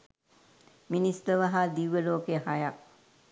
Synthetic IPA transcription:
minist̪əʋaɦaːd̪iʋːəloːkeɦaja

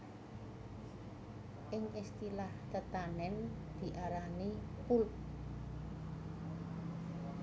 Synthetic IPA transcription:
ʔɪŋist̪ilaht̪ət̪anɛnd̪̥i̤ʔaɾanipulp̚

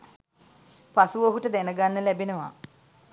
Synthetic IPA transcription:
pasuʋoɦuʈəd̪ɛnəɡanːəlæbenəʋa̰

